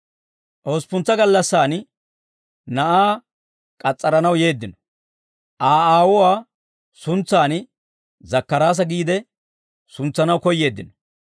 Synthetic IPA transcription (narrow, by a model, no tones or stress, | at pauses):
ʔoːspʊnt͡sːɐɡɐlːɐsːaːn | nɐʔaː | kʼɐt͡sʼːɐɾɐnɐwje̞ːd̪ːɪnɔ̥ | ʔaːaːwɔwaː | sʊnt͡sːaːn | zɐkːɐɾaːs̬ɐɡiːd̪ɛ | sʊnt͡sːɐnɐwkɔjːe̞ːd̪ːɪnɔ̥